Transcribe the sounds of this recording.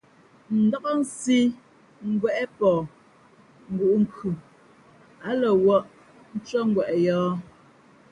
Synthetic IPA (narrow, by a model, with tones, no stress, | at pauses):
n̩˨dɔ˦kɔ˦n̩˦si˦ | ŋ̩˦ɡwɛ˨ʔɛ˦pɔː˨ | ŋ̩˨ɡu˨ʔŋ̩˦kʉ˨ | a˨˦lɔ˨wɔ˦ʔ | n̩˦t͡ʃɔ˦ŋ̩˦ɡwɛ˨ʔɛ˨jɔː˦